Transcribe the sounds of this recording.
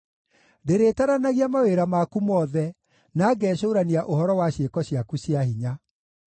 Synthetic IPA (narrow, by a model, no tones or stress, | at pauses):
deɾeːtaɾanaɣiamaweɾamakumɔðɛ | naɡɛʃoːɾaniaʔohɔɾɔwaɕekɔɕjakuɕiaɦiɲa